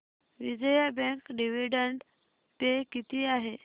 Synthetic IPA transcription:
ʋid͡ʑəjabɛ̃ŋkɖiʋiɖəɳɖ | t̪ekit̪iːaɦe

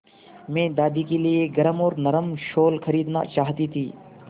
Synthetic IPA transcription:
mẽːd̪aːd̪iːkelieːɡəɾəmoːɾnəɾəmʃoːlkʰəɾiːd̪na̰ːt͡ʃaːɦt̪iːt̪ʰiː

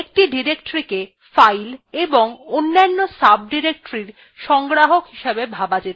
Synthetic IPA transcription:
ek̚ʈiɖiɾekʈoɾike | fajleboŋonːanːosab̚ʱɖiɾek̚ʈoɾiɾ | ʃɔŋɡɾaɦokɦiʃebebʱabad͡ʑet̪

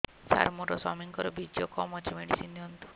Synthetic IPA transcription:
sa̰ɾmuɾɔsɔmiŋkɔɾɔbid͡ʒjɔkɔmɔt͡ʃʰimeɽisinːɔnt̪u̥

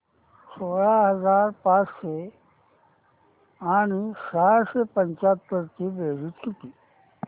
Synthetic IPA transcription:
soːɭaɦɐzaːɾpaːt͡ʃse | aːñisaːsepəɲt͡ʃat̪ːəɾt̪ibeːɾit͡ʃʰut̪i

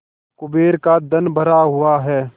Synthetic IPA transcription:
kʊbeːɾkad̪ɐnbʱəɾaɦʊaɦɛː

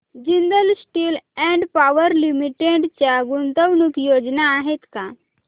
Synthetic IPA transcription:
d͡ʑind̪əlsʈilɛ̃ɳɖpaʋəɾlimiʈeɖt͡ɕjaɡunt̪əʋnukjod͡znaːɦet̪ka

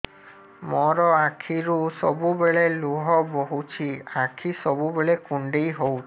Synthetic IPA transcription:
mɔɾɔakʰiɾusɔbubeɭeluɦɔboɦut͡ʃʰiakʰisɔbubeɭekuɳɖejɦowt͡ʃi

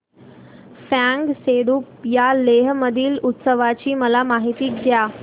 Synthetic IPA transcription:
faŋɡseɽupjaleɦməd̪ʱiːlut̪səʋat͡ɕiːməlamaɦit̪iːɡja

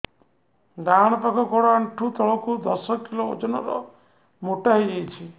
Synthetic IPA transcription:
daɽ̃ɔpakʰɔkɔɽɔaɳʈʰut̪ɔɭɔkud̪ɔsɔkiloo̰d͡ʒɔnɔɾɔ̰ | moʈaɦiɡejt͡ʃʰi

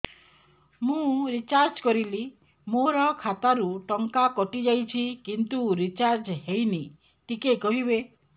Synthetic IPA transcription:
mũɾit͡ʃaɾd͡ʒkɔɾili | moɾɔkʰat̪aɾuʈɔŋkakɔʈid͡ʒajt͡ʃʰikint̪uɾit͡ʃaɾd͡ʒɦejni | t̪ikekɔɦibe

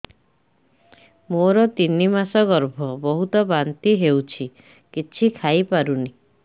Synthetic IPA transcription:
moɾɔt̪inimasɔɡɔɾbʱɔbɔɦut̪ɔbant̪iɦewt͡ʃʰi | kit͡ʃʰikʰajpaɾuni

